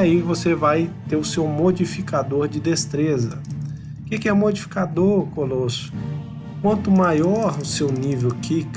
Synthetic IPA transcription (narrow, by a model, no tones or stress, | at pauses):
aivosevajt̪eɾʊsewmod͡ʒifikad̪oɾd͡ʒɪd̪est̪ɾezɐ̰ | kɪkɪɛmod͡ʒifi̥kad̪oɾkolosʊ̥ | kwɐ̃nt̪ʊmajɔɾʊsewnivewkik